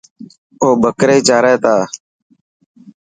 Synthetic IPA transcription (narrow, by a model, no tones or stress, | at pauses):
oːbəkɾeːt͡ʃaːɾeːt̪aː